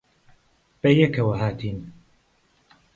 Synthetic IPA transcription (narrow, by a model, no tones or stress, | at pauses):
b̥ɐjɛkʰɐwɐɦaːt̪ʰiːn